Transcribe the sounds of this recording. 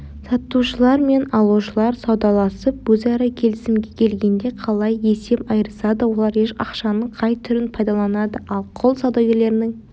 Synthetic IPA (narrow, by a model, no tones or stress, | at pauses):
sɑt̪ːuʃəlˠɑɾme̞nɑlˠuʃəlˠɑɾsɑwd̪ɑlˠɑsəp̚wɵzɑɾɑkʲʰe̞lɪsɪmɡʲe̞kʲʰe̞lɡʲe̞nd̪e̞qʰɑlˠɑje̞se̞pɑjəɾəsɑd̪əwo̞lˠɑɾeʃɑ̰qʃɑnəɴqʰɑjt̪ʰʏɾɪnpʰɑjd̪ɑlˠɑnɑd̪əʔɑlˠqʰolˠsɑwd̪ɑwɡʲe̞ɾle̞ɾɪnɪŋ